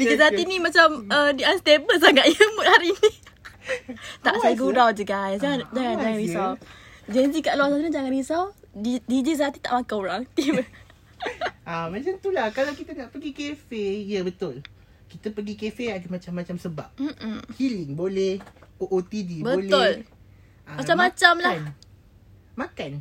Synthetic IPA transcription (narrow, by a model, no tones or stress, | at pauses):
did͡ʒizaat̪inĩmat͡ʃamədianst̪ebəsaŋaʔjəmət̪haɾiːni | t̪aʔsajəɡudawd͡ʒəɡajsd͡ʒaŋand͡ʒaŋand͡ʒaŋanbisaw | d͡ʒənsikaʔloasaɾəd͡ʒaŋanbisawidid͡ʒis̬at̪it̪a̰ʔmakauɾaŋt̪ibə | ʔamat͡ʃant̪ulahkalawkit̪ənaʔpəɡikefejəbət̪ʊl | kit̪əpəɡikefeaɡamat͡ʃamːat͡ʃamsəba̰p̚m̩m̩hilɪŋbolɛhoʔot̪idibəlʊl | amat͡ʃamːat͡ʃamlan | makan